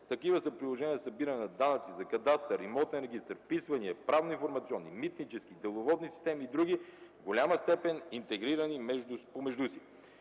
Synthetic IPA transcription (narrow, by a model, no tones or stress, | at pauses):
t̪ɐkivəsəpɾilˠoʒɛniəsɐbiɾənɛnɐd̪anɐt̪sizɐkɐd̪ast̪əɾimɔt̪nɛnɾɛɡ̟ist̪əɾfpisvɐniɛpɾavnoĩnfoɾmɐt̪siɔnːimit̪nit͡ʃɛskid̪ɛlˠovɔd̪nisi̥st̪ɛmiːd̪ɾuɡʲivɡolʲaməst̪ɛpɛnint̪ɛɡɾiɾɐnimɛʒupomɛʒd̪usi